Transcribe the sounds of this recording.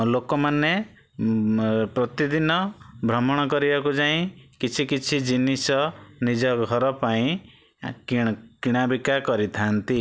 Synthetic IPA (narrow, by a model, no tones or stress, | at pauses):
lokɔmane | pɾɔt̪id̪inɔbʱɾɔmɔɽ̃ɔkɔɾibakud͡ʒaĩkit͡ʃʰikit͡ʃʰid͡ʒinisɔnid͡ʒɔɡʱɔɾɔpaĩ | kiɽ̃abikakɔɾit̪ʰant̪i